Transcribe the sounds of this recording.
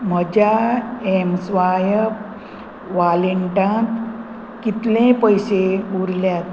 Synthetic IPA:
m̤əd͡ʑaɛmsʋajəp | ʋaleɳʈãt̪ | kit̪lẽpəjseuɾljat̪̚

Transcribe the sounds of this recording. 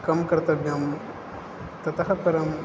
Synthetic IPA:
kɐmkɐɾt̪ɐbʱjɐm | t̪ɐt̪ɐɦɐpɐɾɐm

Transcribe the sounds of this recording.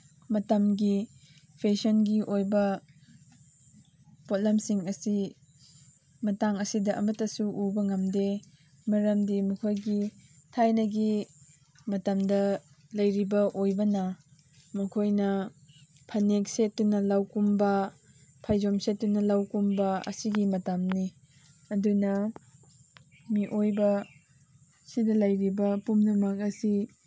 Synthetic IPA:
mɐtɐmɡi | pʰesonɡiʔojbɐ | pot̚lɐmsiŋɐsi | mɐtaŋɐsidɐʔɐ̰mɐtːɐsuʔubɐŋɐmde | mɐɾɐmdimɐkʰojɡi | tʰajnɐɡi | mɐtɐmdɐ | lɐjɾibɐʔojbɐnɐ | mɐkʰojnɐ | pʰɐnek̚set̚ːunɐlawkumbɐ | pʰajzomset̚ːunɐlawkumbɐɐ̰siɡimɐtamni | ɐdunɐ | miʔojbɐ | sidɐlɐjɾibɐpumnɐmɐk̚ɐsi

